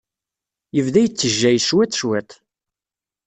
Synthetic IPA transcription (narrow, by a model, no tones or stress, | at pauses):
jəvðæjət͡sːəʒːæjʃwæt̪ʃwæt̪